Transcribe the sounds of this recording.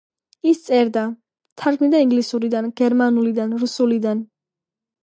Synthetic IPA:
ist̪sʼɛɾd̪a | t̪ʰaɾkʰmid̪aiŋɡlisuɾid̪anɡɛɾmanulid̪anɾusulid̪an

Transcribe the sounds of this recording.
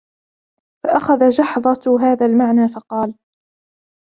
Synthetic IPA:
faʔaxaðad͡ʒɑħðˤɑɦaːðaːlmaʕnaːfɑqɑːl

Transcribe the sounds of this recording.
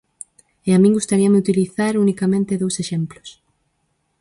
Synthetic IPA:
eamĩŋɡust̪aɾiɐmɪut̪iliθaɾunikamẽnt̪ɪðowseʃemplʊs

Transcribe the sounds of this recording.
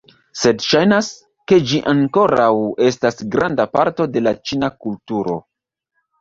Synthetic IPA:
se̞dʃajnas | ke̞d͡ʒiʔaŋko̞ɾawe̞stasɡɾandapaɾto̞de̞lat͡ʃinakultuɾo̞̰

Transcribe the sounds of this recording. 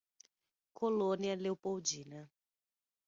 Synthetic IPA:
kʰolõniɐlewpowd͡ʒinɐ

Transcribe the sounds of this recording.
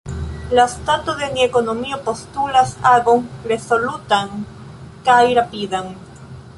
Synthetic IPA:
last̪at̪uðeniekonomiopost̪uɾasaɣoŋɾesolut̪aŋ | kajɾapiðaŋ

